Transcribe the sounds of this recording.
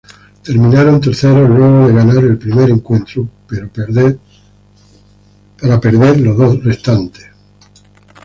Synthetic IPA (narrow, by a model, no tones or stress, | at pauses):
t̪e̞ɾmĩnaɾo̞nt̪eɾθe̞ɾo̞lwe̞ɣ̞o̞ðe̞ɣanaɾe̞lpɾime̞ɾeŋkwe̞nt̪ɾu | paɾape̞ɾðe̞ɾlo̞zðo̞sre̞st̪ant̪es